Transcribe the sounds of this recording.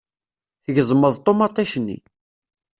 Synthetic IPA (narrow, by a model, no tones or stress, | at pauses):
θəʝəzˤməðˤt̪ˤːomɑt̪ˤːɑʃənːḭ